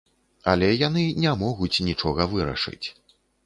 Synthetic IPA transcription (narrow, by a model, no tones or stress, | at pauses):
ɐlʲɛjanɨnʲamɔɣut͡sʲnʲit͡ʂɔɣɐvɨɾɐ̰ʂɨ̰t͡sʲ